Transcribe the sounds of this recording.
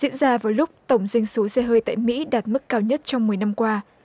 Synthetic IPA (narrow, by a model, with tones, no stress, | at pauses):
ḭ˧˥ənzaː˧vaː˨˩wlʊ˦˥k͡p̚t̪ə˧˩wŋ͡mzwi˧jŋ̟so˨˦sɛ˧ɦəː˧jt̪a̰ː˧˨jmḭ˧˥ɗaː˨˩t̚mɨ˦˥kːaː˧wɲə˦˥t̚t͡ɕɔ˧wŋ͡mmɨ˨˩əjna˧mkwaː˧